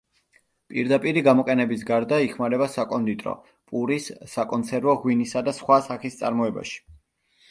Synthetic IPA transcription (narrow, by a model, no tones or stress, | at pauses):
pʼḭɾd̪apʼiɾiɡamɔqʼɛnɛbis̬ɡaɾd̪aiχmaɾɛbasakʼɔnd̪it̪ʼɾɔ̰ | pʼuɾisːakʼɔnt̪sʰɛɾvɔʁwinisad̪asχwasaχist̪sʼa̰ɾmɔɛba̰ʃi̥